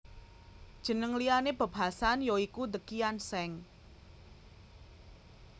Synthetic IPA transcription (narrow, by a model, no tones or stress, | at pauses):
d̥ʒ̥ə̤nəŋlijaneb̥ə̤b̥asanjoikud̪əkijansɛŋ